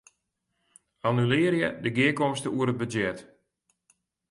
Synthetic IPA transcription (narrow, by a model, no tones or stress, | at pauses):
anylɪərjədəɡɪəkɔmstəuəɾət̚bəd͡ʒɛt